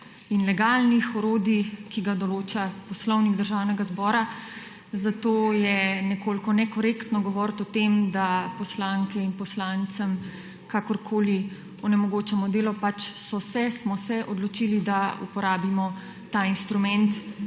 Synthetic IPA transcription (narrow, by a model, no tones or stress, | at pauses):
inlɛɡalnixɔɾoːd̪ikiɡad̪ɔloːt͡ʃapɔslɔwniɡd̪əɾʒawnɛɡazbɔːɾa | zat̪oːjɛnɛkoːlkɔnɛkɔɾekt̪nɔɡɔʋɔɾt̪ɔt̪emd̪apɔslaŋkɛinpɔslant̪səm | kakɔɾkʰoːli | ɔnɛmɔɡoːt͡ʃɛmɔd̪eːlɔpat͡ʃsɔsɛsmɔsɛʔɔd̪lɔt͡ʃilid̪aṵpɔɾaːbimɔ | t̪ainst̪ɾumɛnt̪